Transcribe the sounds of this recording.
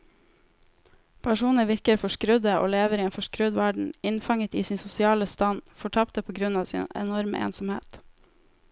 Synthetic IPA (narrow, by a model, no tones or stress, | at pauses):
pʰɑʃuːnəʋɪɾkəɾfɔʃkɾʉd̪əʔo̰ːleːʋəɾieːnfɔʃkɾʉd̪ʋæɖɳ̩ɪnfɑŋət̪ḭːsiːnsʊsɪɑːləst̪ɑnfɔʈʰɑpt̪əpʰoːɡɾʉnɑːsḭːnɛ̰nɔɾmə̰ʔḛːnsɔmhḛːt̪